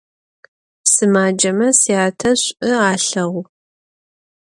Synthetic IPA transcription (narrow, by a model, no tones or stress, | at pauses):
sɨmaːd͡ʒɐmɐsiaːtʰɐɕʷʼɨaːɬɐʁʷ